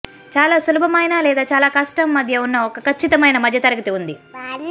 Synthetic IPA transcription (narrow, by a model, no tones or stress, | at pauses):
t͡ʃaːlaːsulubʱɐmɐjnaːlɛːd̪aːt͡ʃaːlaːkɐʂʈɐmːɐd̪ʱjɐunːɐɔkɐkʰɐt͡ʃːit̪ɐmɐjnɐmɐd̪ʱjɐt̪ɐɾɐɡɐt̪iund̪i